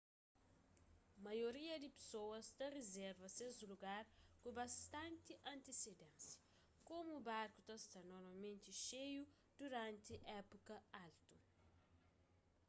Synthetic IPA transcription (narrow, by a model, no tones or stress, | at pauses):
mɐjoɾiɐd̪ipe̥sowɐst̪ɐrezɛɾvɐsezuluɡaɾkubɐst̪ɐ̃nt̪iʔɐ̃nt̪esed̪ɛ̃nsjɐ | komuːbaɾkut̪ɐst̪ɐnɔɾmɐmẽnt̪iʃeju | d̪̥uɾãnt̪iʔɛpukɐalt̪u